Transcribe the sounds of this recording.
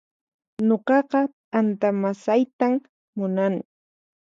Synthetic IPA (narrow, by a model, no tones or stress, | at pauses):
ɲoqɑqɑt̪ʼant̪amasajt̪amː | ʊnaŋ